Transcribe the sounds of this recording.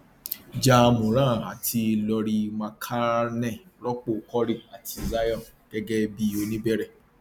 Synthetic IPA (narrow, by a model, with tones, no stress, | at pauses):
d͡ʒa˦˧mõ˨ɾ̃ã˦˨a˨tʰi˧lɔ˧ɾi˧mã˧kʰa˦nɛ̃˦˨ɾɔ˦k͡po˦˨kɔ˦ɾi˦˨a˨tʰi˧za˦jɔ̃˦˨ɡ̥ɛ˦ɡɛ˦bi˦o˧nĩ˦bɛ˦ɾɛ˦˨